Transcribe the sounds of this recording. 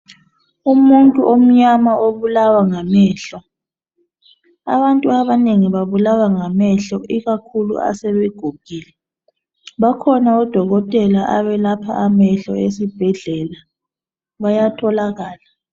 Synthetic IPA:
umuntʼuʔom̩ɲamaoβulawaŋamɛːɬɔ | a̰βantʼuaβaneŋiβaβulawaŋamɛɬɔʔiɣakʰulṵa̰sɛβeɡ̥ʱuɡ̥ʱiːlɛ | βakʰɔnaɔd̥ʱɔɣɔtʼɛlaʔaβɛlapʰa̰ʔamɛɬɔ̰esib̥ʱɛɮɛla | βajatʰɔlaɣaːla

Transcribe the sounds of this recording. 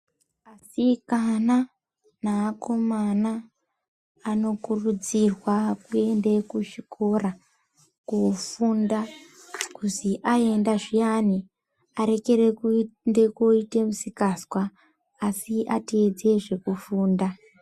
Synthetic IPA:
asikana | naːko̞mana | no̞kurud͡zirwakue̞nde̞kuʃikʰo̞ra | kufunda | kuziʔae̞ndaʐijani | aɾe̞ke̞rendekoite̞musikaskwaː | siʔa̰tid͡ze̞ʐe̞kufuːnda

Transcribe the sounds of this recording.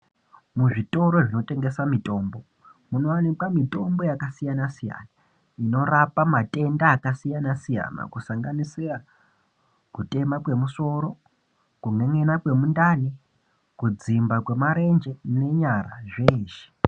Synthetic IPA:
muʐito̞ɾo̞ʐino̞te̞ŋɡe̞samito̞ːmbo̞ | muno̞anikwamito̞mbo̞jakasijanasija̰na | ino̞rapamatʼe̞ndaːkasijanasija̰na̰kusaŋɡanisera | kute̞makwe̞muso̞ɾo̞ | kuŋe̞ŋe̞nakwe̞mundani | kud͡zimbakwe̞maɾe̞nd͡ʒe̞ne̞ɲaɾaʐeːʃe̥

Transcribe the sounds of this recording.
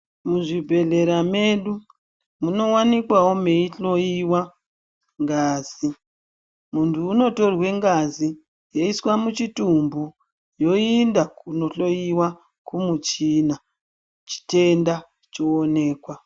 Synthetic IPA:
muʐibʱe̞ɮe̞ɾame̞ɗu | muno̞wanikwawome̞iɬo̞iwa | ŋɡaːz̥i | muntʰuːno̞to̞rwe̞ŋɡazi | jeiswamut͡ʃitumbu | jo̞indakuno̞ɬo̞jiwa | kumut͡ʃina | t͡ʃi̥te̞nda | t͡ʃoːne̞ːkwa

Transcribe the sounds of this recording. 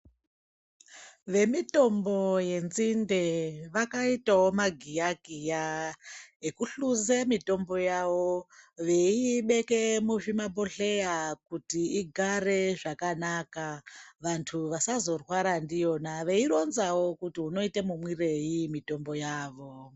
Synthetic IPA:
ʋe̞mito̞mbo̞je̞nzinde̞ʋakaitawo̞maɡʱijaɡʱija | ekuɬuzemito̞mbo̞jaʋo̞ʋe̞iɓe̞ke̞muʐimabo̞ɬe̞jakutiiɡʱare̞ʐakanakaʋantʰuʋasazo̞rwaɾandijo̞naʋe̞iɾo̞nzawo̞kutiuno̞itemumwire̞jimito̞mbo̞jaːʋo̞

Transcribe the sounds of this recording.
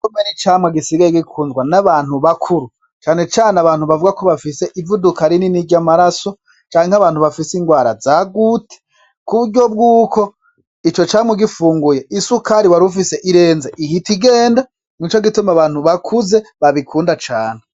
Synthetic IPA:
komenit͡ʃaːmweɡisiɡajeɡikʰuːnzɡwanaβaːn̥huβakʰuɾu | t͡ʃaːne̞t͡ʃaːneaβaːnhuβavuɡakoβafise̞ʔivudukaɾininiɟamaɾaso̞ | t͡ʃaːŋeŋaβaːn̥uβafisiŋɡwaːɾa̰zaːɡuːtʰe̥ | kuβuɾɟo̞b̚ɡuːko̞ | it͡ʃo̞t͡ʃaːmweɡifuːŋɡujeisukʰaɾiwaɾufise̞ʔiɾe̞ːnzeʔihitiɡe̞ːnda | mŋit͡ʃoɡitumaβaːn̥huβakʰuze̞βaβikʰuːndat͡ʃaːn̥e

